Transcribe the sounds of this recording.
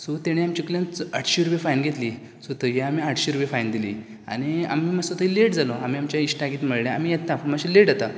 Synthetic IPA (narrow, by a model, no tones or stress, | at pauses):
sot̪eɽ̃eamt͡ɕikljãnt͡saʈʰɕiɾupefajnɡʱet̪li | sot̪əɦiamiaʈʰɕiɾupefajnd̪ilḭː | a̰ɽ̃ia̰miːmasot̪əileʈd͡zaloamiːamt͡ɕjaiɕʈaɡiːt̪məɽɳjaamiːjet̪ːapəmaɕileʈat̪a